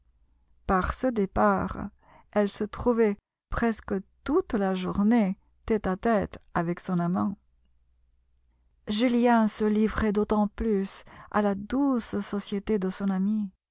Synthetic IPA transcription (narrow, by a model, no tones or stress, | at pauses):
paʁsəd̪epaʁ | ɛlsət̪χuvɛ | pχɛskət̪ut̪laʒuʁne | t̪ɛt̪at̪ɛt̪avɛksɔ̃namɑ̃ | ʒyljɛ̃səlivʁɛd̪ot̪ɑ̃plysa̰lad̪ussɔsjet̪ed̪əsɔ̃nami